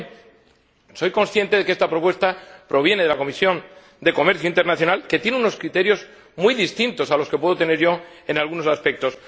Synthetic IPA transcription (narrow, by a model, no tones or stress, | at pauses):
so̞jko̞nsθje̞nt̪eðekest̪apɾo̞pwe̞st̪apɾo̞β̞je̞ne̞ðelako̞misjo̞n | d̪e̞ko̞me̞ɾθjoint̪e̞ɾnaθjo̞nalke̞t̪je̞neuno̞skɾit̪e̞ɾjo̞z | mujðist̪int̪o̞salo̞ske̞pweðot̪e̞ne̞ɾʝo̞ | e̞nalɣuno̞saspe̞k̚t̪o̞s